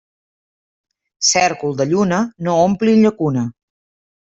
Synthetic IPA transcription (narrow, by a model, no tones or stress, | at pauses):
sɛɾkulˠd̪əʎunənoomplinʎəkunə